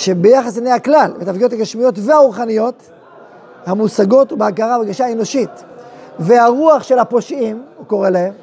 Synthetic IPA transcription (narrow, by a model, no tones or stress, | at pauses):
ʃebejaχasinejhaklalvet̪afɡiotaɡaʃmijo̞tvehauʁχanijo̞t̪ | hamusaɡo̞tubeakaʁabeɡaʃaeno̞ʃit̪veaʁuaχʃe̞lhapo̞ʃʔimuko̞ʁelahem